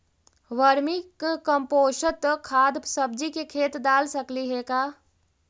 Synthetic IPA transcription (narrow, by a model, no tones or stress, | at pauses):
ʋəɾmikkəmpoːʃət̪kʰaːd̪səb̚d͡ʒikekʰeːt̪d̪aːlsəkliɦɛkaː